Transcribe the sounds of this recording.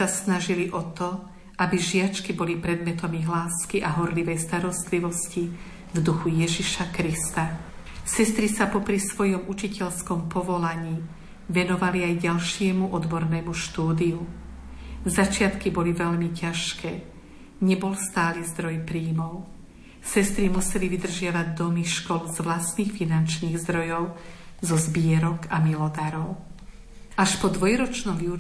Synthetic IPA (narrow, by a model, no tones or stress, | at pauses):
asnaʒiliʔɔt̪ɔ | ʔabiʒɪat͡ʃkibɔlipɾɛd̪mɛt̪ɔmiɦlaːskiʔaɦɔɾliʋɛjst̪aɾɔst̪liʋɔsci | vd̪uxujɛʒiʃakɾist̪a | sɛst̪ɾisapɔpɾisʋɔjɔmʔut͡ʃicɛʎskɔmpɔʋɔlaɲiː | ʋɛnɔʋaliajɟalʃɪɛmuʔɔd̪bɔɾnɛːmuʃt̪uːd̪iju | zat͡ʃɪat̪kibɔliʋɛʎmicaʃkʰɛː | ɲɛbɔlst̪aːlizd̪ɾɔjpɾiːmɔʊ | sɛst̪ɾimusɛliʋid̪r̩ʒɪaʋaɟ̚d̪ɔmiʃkɔlzʋlast̪niːxfinant͡ʃniːɣzd̪ɾɔjɔʊzɔzbɪɛɾɔkamilɔd̪aɾɔʊ | ʔaʃpɔd̪ʋɔjɾɔt͡ʃnɔmiu